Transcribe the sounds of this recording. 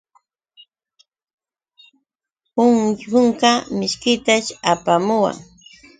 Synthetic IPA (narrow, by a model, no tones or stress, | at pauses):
ʊŋjʊŋkamɪʃkɪt̪aʃapamʊwa̰ŋ